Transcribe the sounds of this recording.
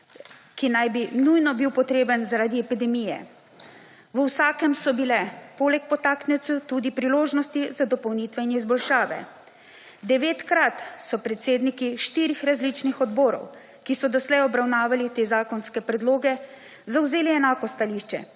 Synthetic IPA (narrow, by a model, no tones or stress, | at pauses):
kinajbinujnɔbiwpɔt̪ɾeːbənzaɾaːd̪iɛpid̪ɛmiːjɛ̰ | ʋəwsaːkɛmsɔbilɛpoːlɛk̚pɔt̪aːknɛt̪sut̪uːd̪ipɾiloːʒnɔst̪izad̪ɔpɔwniːt̪ʋɛinizbɔlʃaːʋɛ̰ | d̪ɛʋeːt̪kɾat̪sɔpɾɛt̪seːd̪nikiʃt̪iːɾixɾazlit͡ʃnixɔd̪boːɾɔ̰w | kisɔd̪ɔslɛjɔbɾawnaːʋalit̪eːzaːkɔnskɛpɾɛd̪loːɡɛ | zawzeːliɛnaːkɔst̪aliːʃt͡ʃɛ̰